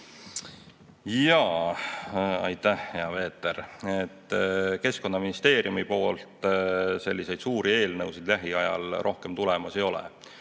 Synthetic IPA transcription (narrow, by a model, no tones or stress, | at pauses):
jɑː | ɑ̰jt̪æhheɑve̞ːt̪ːˑeɾet̪ːˑke̞sko̞nːɑminist̪e̞ːɾjumipo̞ːlt̪ˑse̞lʲːise̞jd̪̥suːɾie̞ːlnɤwsid̪̥læɦiɑjɑ̰lrʔo̞hke̞mt̪ulɛmɑse̞jo̞lɛ̰